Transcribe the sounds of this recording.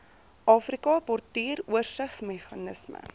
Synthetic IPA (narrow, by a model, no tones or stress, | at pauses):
ʔɑːfrikɑpɔrtiːruərsəχsmɛχɑnəsmə̰